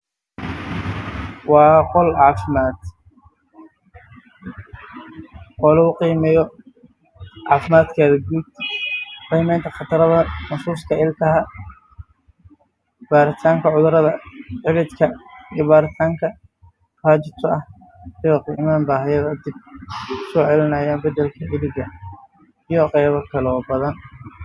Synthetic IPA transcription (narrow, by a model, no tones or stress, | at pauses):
wɑːqɔlʕɑːfɪmaːd̪̥ | qɔlɐʊqiːmɛjɔ | ʕɑːfɪmaːd̪kʰaːðɐɡuːd̪ | qiːmɛjnt̪ʰɐχɑt̪ʰɐɾɐðɐnɐsuːskʰɐɪlkʰɐɦɐ | b̥aːɾɪt̪ʰaːŋkʰɐʕʊðʊɾɐðɐʕɪlɪd̪kʰɐijɔbaːɾɪt̪ʰaːŋkʰɐ | raːt͡ʃɪt̪ʰʊʔɐh | ɪjɔqiːmaːnbaːɦɐjɐðɐd̪ɪb̚sɔːʕɛlɪnɐjaːnbɐd̪ɛlkʰɐɪlɪɣɐ | ijɔqɛjβɐkʰɐlːbɐðɐn